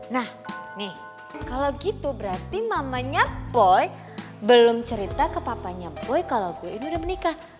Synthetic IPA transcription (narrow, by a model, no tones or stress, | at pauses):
nah | nɪh | kalawɡit̪ubəɾart̪imamaɲapːɔj | bəlʊmt͡ʃəɾit̪akəpapaɲapɔjkalaɡuainiudahbənika